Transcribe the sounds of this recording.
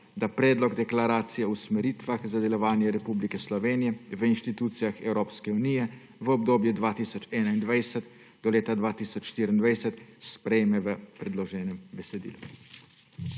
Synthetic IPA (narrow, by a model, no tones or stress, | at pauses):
d̪apɾɛːd̪lɔɡd̪ɛklaɾaːt̪sijɛusmɛɾiːt̪ʋaxzad̪ɛlɔʋaːnjɛɾɛpublikɛslɔʋeːnijɛʋəinʃt̪it̪uːt̪sijaxɛwɾoːpskɛuniːjɛ | ʋəɔbd̪oːbjɛd̪ʋaːt̪iːsɔt͡ʃɛːnaind̪ʋajsɛt̪ | d̪ɔleːt̪ad̪ʋaːt̪iːsɔt͡ʃːʃt̪iːɾind̪ʋajsɛt̪spɾɛjmɛʋəpɾɛd̪lɔʒɛːnɛmbɛsɛd̪ḭːlu